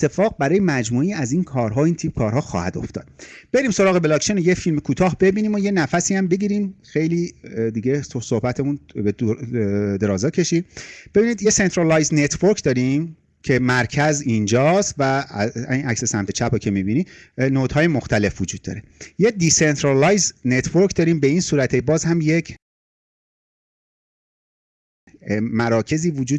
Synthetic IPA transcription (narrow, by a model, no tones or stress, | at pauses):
et̪ʰːe̞fɒːɣ̚bæɾɒːjemæd͡ʒmuːejæziːnkʰɒːɾɦɒːint̪ʰip̚kʰɒːɾɦɒːxɒ̰ːhæ̰d̪o̰ft̪ɒ̰ːd̪̥b̥e̞ɾiːmso̞ɾɒːɣebelɒːkt͡ʃʰenojefilmekʰuːt̪ʰɒːɦbe̞biːniːmoje̞næfæsiæmbe̞ɡiːɾimxe̞jliːd̪iɡɟe̞sosohbæt̪ʰemunbe | d̪e̞ɾɒːzɒːcʰe̞ʃib̥e̞binid̪jese̞nt̪ʰɾɑlɑjznet̪ʰvoɾkʰd̪ɒːɾim | cʰe̞mæɾcʰæzind͡ʒɒːst̪væinʔækse̞sæmt̪ʰet͡ʃʰæpɒkcʰe̞mibiːniːnoːt̪hɒːje̞moxt̪ʰæle̞fvod͡ʒuːd̪̥̚ːɒ̰ɾe̞jed̪isent̪ʰɾɑlɒjznet̪ʰvoɾkʰd̪ɒːɾiːmbe̞insuːɾæt̪ʰebɒːzhæmjecʰ | mæɾɒːcʰe̞ziːvod͡ʒuː